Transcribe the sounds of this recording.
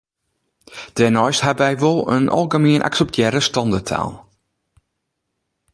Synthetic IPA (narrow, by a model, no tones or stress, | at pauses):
d̥ɛnɔjshabʋɛjʋolˠə̰nʔɔ̰lˠɡəmiənʔa̰ksɛp̚tʰjɛɾəstɔndətʰa̰ːlˠ